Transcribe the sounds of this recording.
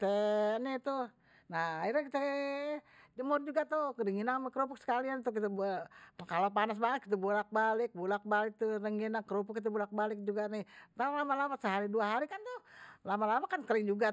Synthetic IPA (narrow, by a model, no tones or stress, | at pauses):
it̪ɛnɪt̪uh | naaiɾakit̪ɛ | d͡ʒəmʊrd͡ʒuɡat̪ukəɾiŋinamkəɾupʊk̚sə̥kaliant̪ukit̪ɛbkalapanas̬balɪkːit̪əbulak̚balɪk̚bulak̚balɪk̚t̪urəŋɡinakəɾupʊkːit̪̬ɛbulak̚balɪk̚d͡ʒuɡanɪt̪alamalawat̪̚səɦaɾiduaɦaɾikant̪uhlamalamakankəɾɪŋd͡ʒuɡa